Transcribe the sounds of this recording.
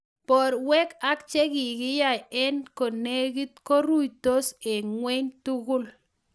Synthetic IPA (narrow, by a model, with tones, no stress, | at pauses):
pɔ˨ɾwɛ˦ka˦k̚t͡ʃɛ˦kɪ˨ɡɪ˦ja˨jɛ˦nko˨ne˦ɡi˦t̪̚ko˦ɾu˦˨jto˦se˨ŋwɛ˦ɲtu˦ɡʊ˦l